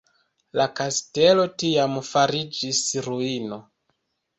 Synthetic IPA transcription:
lakaste̞lo̞tiamfaɾid͡ʒisɾuino̞

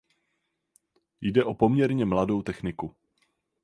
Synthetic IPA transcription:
jdɛʔo̞po̞mɲɛɾɲɛmlado̞wt̪ɛxnɪku

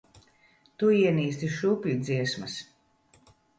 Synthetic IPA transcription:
t̪uiɛniːst̪iʃupʲlʲud̪ziɛsmɐs

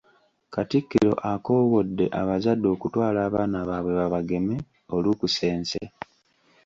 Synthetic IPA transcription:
katikːiɾo̞̰ʔako̞ːwo̞dːe̞̰ʔaβazadːo̞ːkutwaːlaːβaːnaβaːβwe̞βaβaɡe̞me | olukuse̞ːnse

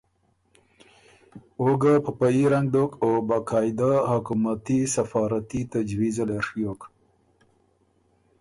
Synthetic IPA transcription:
oɡapəpajiɾaŋɡ̚d̪okobakɑːjd̪ahʊkumat̪isafɑːɾat̪it̪ad͡ʒwizaleʂjok

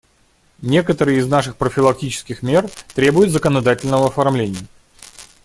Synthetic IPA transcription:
nʲe̞kət̪əɾɨjɪznaʂɨxpɾəfʲɪlˠɐk̚tʲit͡ɕɪ̥skʲɪxmʲe̞rt̪ɾʲebʊjʊt̪zəkənɐd̪atʲɪlʲnəvəɐfɐrmlʲenʲɪjə

